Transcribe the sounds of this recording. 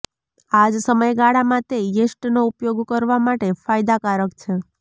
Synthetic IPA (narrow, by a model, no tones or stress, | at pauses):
ad͡ʒsəməjɡaɽamãt̪ejesʈnoupjoɡkəɾʋamaʈefajd̪akaɾəkt͡ʃʰe